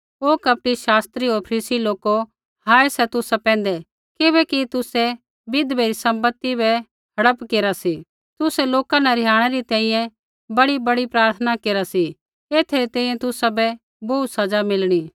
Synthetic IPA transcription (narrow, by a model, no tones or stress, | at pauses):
oːkɐp̚ʈiʃaːst̪ɾiɦoɾpʰɐɾiːsiloːko | haːesɛt̪ʊsapɛ̃ːnd̪ɛ | kɪβɛkit̪ʊsɛ | bɪd̪beːɾisɐ̃mbət̪ːibɛ | ɦɐɽəpkeːɾasi | t̪ʊsɛloːkanɛɾɪjaːɽ̃ɛɾit̪ɛ̃ːĩjɛ̃ | bɐɽibɐɽipɾaːɾt̪ʰənakeːɾasi | eːt̪ʰeɾit̪ɛ̃ːĩjɛ̃t̪ʊsabɛ | boːt̪sɐd͡ʒamɪlɽ̃iː